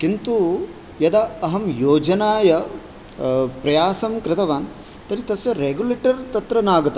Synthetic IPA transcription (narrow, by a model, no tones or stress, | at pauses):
kint̪u | jɐd̪ɐɐɦɐmjoːd͡ʒɐnaːjɐ | pɾɐjaːsɐmkɾɪt̪ʰɐʋaːn | t̪ɐɾit̪ɐsjɐɾeːɡuleːʈɐɾt̪ɐt̪ɾɐnaːɡɐt̪